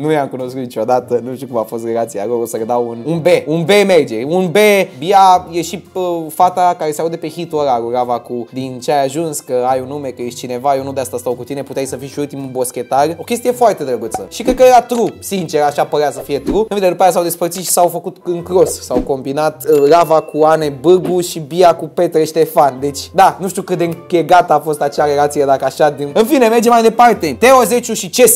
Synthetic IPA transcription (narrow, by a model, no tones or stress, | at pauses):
nujamkuno̞skut̪it͡ʃo̞d̪at̪ənuʃt̪iukumafo̞st̪relat̪sija̰loosəled̪awununbe̞unbemerd͡ʒe̞ɾʲunbebiajeʃiəfat̪akaɾeseaud̪epe̞xit̪oɾaɾuɾavakud̪int͡ʃeajaʒunskəajunume̞kəjeʃt͡ʃine̞vajenud̪east̪ast̪awkut̪ine̞put̪eajsəfiʃiult̪imubo̞skʲe̞t̪aro̞kʲe̞s̬t̪ije̞foart̪e̞d̪ɾəɡut̪səʃikɾed̪̚kəjeɾat̪ɾusint͡ʃe̞ɾaʃapəɾeasəfije̞t̪ɾuɨnfind̪eɾupajas̬awd̪espərt̪sit̪ʃi̥sawfəkut̪ɨŋkɾo̞ssawko̞mbinat̪ɾavakʰuane̞bɨɡuʃibiakupe̞t̪ɾeʃt̪efand̪e̞t͡ʃʲd̪anuʃt̪ʲiukɨt̪d̪eɨŋkeɡat̪əafo̞st̪at͡ʃeaɾe̞lat̪sijed̪akəaʃad̪inɨnfine̞me̞rd͡ʒemajd̪e̞part̪e̞t̪e̞oze̞t͡ʃuʃit͡ʃes